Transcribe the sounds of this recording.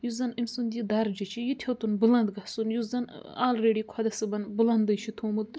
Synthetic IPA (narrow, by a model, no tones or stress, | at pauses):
juzɐnimʲsund̪ʲid̪ɐɾd͡ʒit͡ʃʰijit̪ʲʰewt̪unbɨlɐnd̪ɡɐsunjuzɐnaːlɾeːɖiːkʰɐd̪ɐsɨbɐnbɨlɐnd̪ɐjt͡ʃʰit̪ʰoːmɨt̪